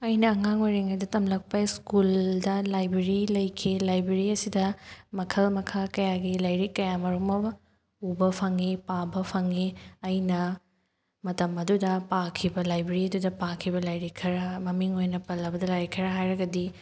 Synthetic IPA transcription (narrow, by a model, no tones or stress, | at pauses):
ɐjnɐːŋaŋwaɾiŋɐjdɐtɐmlɐk̚pɐskuldɐlajbɾeɾilɐjkʰilajbɾeɾiɐsidɐmɐkʰɐlmɐkʰakɐjaɡilɐjɾikːɐjamɐɾumɐ | ubɐpʰɐŋipabɐpʰɐŋiɐjnɐ | mɐtɐmɐdudɐpakʰibɐlajbɾeɾiɐdudɐpakʰibɐlɐjɾikʰɐɾɐmɐmiŋojnɐpɐlːɐbɐdɐlɐjɾikʰɐɾɐɦajɾɐɡɐdi